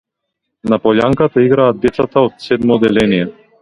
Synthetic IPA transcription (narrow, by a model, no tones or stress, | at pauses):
napɔʎaŋkat̪aiɡɾaːd̪̚d̪ɛt̪sat̪aot̪sɛd̪mɔd̪ɛlɛnijɛ